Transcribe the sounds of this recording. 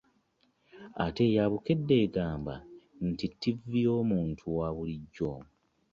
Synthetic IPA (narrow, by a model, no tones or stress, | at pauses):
a̰te̞jaβuke̞dːe̞ːɡaːmba̰n̩titːivijo̞ːmuːntʰuwaβuliɟːo